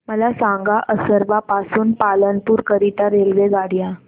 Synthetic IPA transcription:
məlasãŋɡaʔəsəɾbapasuːnpalənpuːɾkəɾit̪aɾelʋeɡaɽja

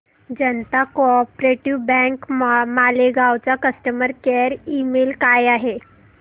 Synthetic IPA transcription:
d͡ʑənt̪akɔpɾeʈiʋbɛ̃ŋkmaleɡawt͡sakəsʈəməɾkeɾimelkajaɦe

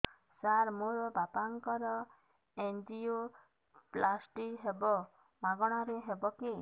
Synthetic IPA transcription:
saɾmoɾɔbapaŋkɔɾɔ | end͡ʒio | plasʈikɦebɔ | maɡɔɽ̃aɾeɦebɔki

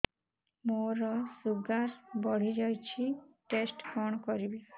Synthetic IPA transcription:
moɾɔsuɡaɾbɔɽ̤id͡ʒajt͡ʃʰiʈesʈkɔɳ̃kɔɾibi

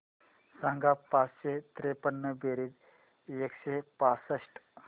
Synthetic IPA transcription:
sãŋɡapasɕet̪ɾepənːəbeɾid͡z | ekɕepasəsʈ

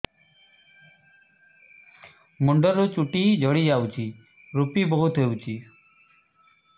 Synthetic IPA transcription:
muɳɖɔɾut͡ʃuʈid͡ʒʱɔɽid͡ʒawt͡ʃʰi | ɾupibɔɦut̪ɦewt͡ʃʰi

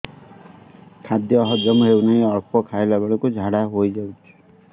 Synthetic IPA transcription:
kʰad̪jɔːɦɔd͡ʒɔmɦewnaĩɔɾpʰɔkʰaelabeɭɔkud͡ʒʱaɽaɦojd͡ʒawt̪ʰi̥

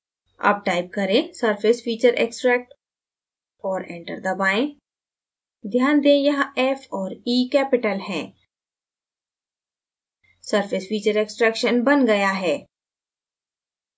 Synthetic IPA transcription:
ɐ̰b̚ʈaːɪp̚kɐɾẽsɐɾfɪsfiːt͡ʃəɾʔḛːksʈɾɛːk̚ʈ | ɔːɾɛ̃ɳʈəɾd̪ɐbaːẽ | d̪ʱjaːnd̪ẽjɐɦɛfɔːɾiːkɛːpɪʈəlɦɛ̃ː | sɐɾfɪsfiːt͡ʃəɾeːksʈɾɛːkʃənbɐnɡɐjaɦɛː

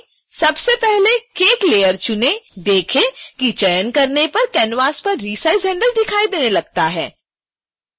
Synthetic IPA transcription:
sɐbsepɛɦlekeːʈleːjəɾt͡ʃʊned̪eːkʰekit͡ʃɐjənkɐɾnepɐɾkɛːnʋaːspɐɾːiːsaːɪzɦɛ̃ːɳɖəld̪ɪkʰaːid̪eːnelɐɡ̚t̪aɦɛː

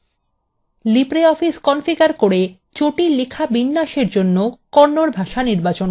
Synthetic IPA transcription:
lipɾeɔfiskɔnfiɡaɾkoɽe | t͡ɕoʈilikʰabinːaʃeɾd͡ʑonːokɔɾnoɾbʱaʃaniɾbat͡ɕon

